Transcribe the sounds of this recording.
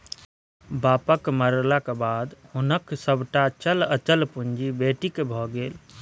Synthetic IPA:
baːpəkməɾlakebaːd̪hʊnəksəbʱʈat͡ʃələt͡ʃəlpuɲd͡ʒibeːʈikebʱɔɡeːl

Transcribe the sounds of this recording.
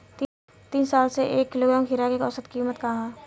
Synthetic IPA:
t̪ | t̪iːnsaːlseʔḛːkːɪloɡɾaːmɦɪɾakeːkɔsət̪kiːmət̪kaɦã

